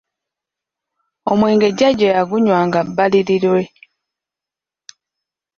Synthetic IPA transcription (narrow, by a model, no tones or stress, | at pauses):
o̞mweːŋɡe̞ɟaɟojaɡuɲwaːŋɡabːaliɾilwe̞